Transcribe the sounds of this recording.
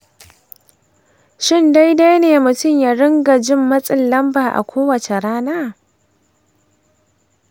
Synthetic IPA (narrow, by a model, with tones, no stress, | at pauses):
ʃɪ˦˨nda˦jda˦jneː˨mʊ˨tʊ˦mja˨ɽɪ˦ŋɡa˨d͡ʒɪ˦mːɐ˦sʼɪ˦nːɐ˦mbaː˨ʔa̰˨kʷʰoː˦wɐ˨t͡ʃe˨ɾaː˦naː˦˨